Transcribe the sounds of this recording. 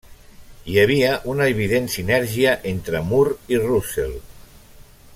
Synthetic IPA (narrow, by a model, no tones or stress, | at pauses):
jəβ̞iəʔunəeβiðensinɛɾʒiaʔent̪ɾəmuɾirusḛl